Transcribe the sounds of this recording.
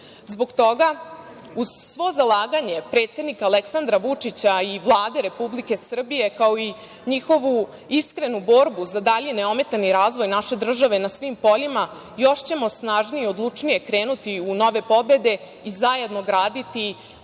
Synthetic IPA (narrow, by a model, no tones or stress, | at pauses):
zbo̞ɡt̪o̞ɡa | uzsʋo̞zalˠaːɡaɲe̞pɾe̞t̪sje̞d̪nikaleksand̪ɾaʋut͡ʂit͡ɕaiʋlˠaːd̪e̞ɾe̞publike̞sr̩bije̞kao̞i | ɲixo̞ʋu | iskɾe̞nubo̞ɾbuzad̪aʎene̞o̞me̞t̪aniɾaːzʋo̞jnaʃe̞d̪r̩ʒaʋe̞nasʋimpo̞ʎima | jo̞ʂt͡ɕe̞mo̞snaːʒniːod̪lˠut͡ʂnije̞kɾe̞ːnut̪iuno̞ʋe̞po̞be̞d̪e̞ | izaje̞d̪no̞ɡɾaːd̪it̪i